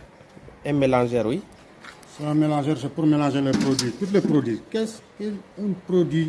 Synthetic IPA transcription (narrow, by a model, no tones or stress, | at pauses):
ɛmelãʒɛɾwi | səlamelãʒɛɾs̬epuɾmelãʒelepɾodwit̪ut̪̬lepɾodɥikɛskiinpɾodɥi